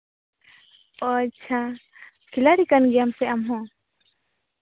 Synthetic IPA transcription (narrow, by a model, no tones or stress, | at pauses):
ɔt͡ʃʰa | kʰilaɾikanɡijamsɛamɦɔ̃